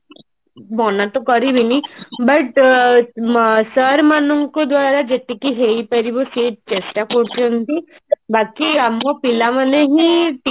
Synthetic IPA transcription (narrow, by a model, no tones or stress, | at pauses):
bɔnat̪okɔɾibʱinibəʈ | səɾmanuŋkod̪waːɾad͡ʒet̪ikiɦeipəɾiboseːt͡ʃesʈakoɽt̪ont̪i | bakiamkopilaməneɦiʈ